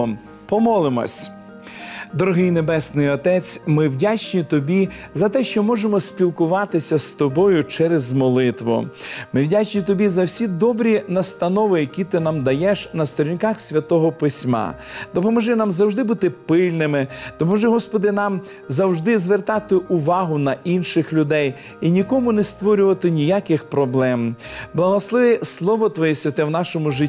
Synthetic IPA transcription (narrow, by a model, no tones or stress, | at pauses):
ɔ | pɔmɔlˠɪmɔ̰sʲ | d̪ɔɾɔɦɪjnebɛsnɪjɔt̪ɛt͡sʲmɪwdʲat͡ʃnʲit̪ɔbʲizɐt̪ɛʃt͡ʃɔmɔʒemɔsʲpʲilˠkʊʋɑt̪ɪsʲɐst̪ɔbɔjʊt͡ʃɛɾezmɔlˠɪt̪ʋʊ̰mɪwdʲat͡ʃnʲit̪ɔbʲizɐwsʲid̪ɔbɾʲinɐst̪ɐnɔʋɪjɐkʲit̪ɪnɑmd̪ɐjɛʃnɐst̪ɔɾʲinʲkɑxsʲʋʲɐt̪ɔɦɔpɪsʲmɑ̰d̪ɔpɔmɔʒɛnamzɐwʒd̪ɪbut̪ɪpɪlʲnɪmɪd̪̥ɔpɔʒɛɦɔspɔd̪ɪnɑm | zɐwʒd̪ɪzʋert̪ɑt̪ɪʔʊʋɑɦʊnɐʔinʃɪxlʲʊd̪ɛj | inʲikɔmʊnest̪ʋɔɾʲʊʋɐt̪ɪnʲijakɪxpɾɔblˠɛmblˠɐɦɔslˠɪʋɛslˠɔʋɔt̪ʋɔjɛsʲʋʲɐt̪ɛwnɑʃɔmʊʒɪ